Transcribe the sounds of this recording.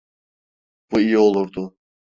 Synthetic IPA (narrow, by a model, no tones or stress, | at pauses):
b̥uijio̞lˠuɾd̪ʊ